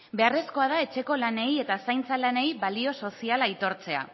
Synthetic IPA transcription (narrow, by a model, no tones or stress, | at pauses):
be̞are̞sko̞að̞ae̞t͡ʃe̞ko̞lane̞je̞t̪asajnt͡salane̞jβalio̞so̞sialajt̪o̞ɾt͡se̞a̰